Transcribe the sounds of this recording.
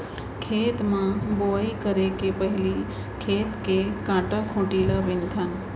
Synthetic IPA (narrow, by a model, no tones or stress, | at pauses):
kʰet̪mãboaikəɾekepəɦili | kʰet̪kekãʈakʰũʈilaʋent̪ʰan